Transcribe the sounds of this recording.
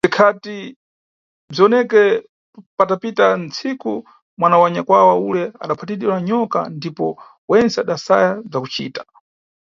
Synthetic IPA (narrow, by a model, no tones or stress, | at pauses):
d͡zikʰati | b͡ʐiɔnɛkɛ | patapitant͡sʰiku | mwanawaɲakwawaulɛa̰ɗapʰatiɗilaɲɔka̰ndipɔ | wɛnt͡sɛaɗasa̰jab͡ʐakut͡ʃḭːtḁ